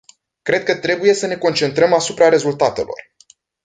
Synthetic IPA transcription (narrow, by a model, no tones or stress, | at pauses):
kɾe̞d̪̚kət̪ɾe̞buje̞səne̞ko̞nt͡ʃe̞nt̪ɾəmasupɾaɾe̞zult̪at̪elo̞̰r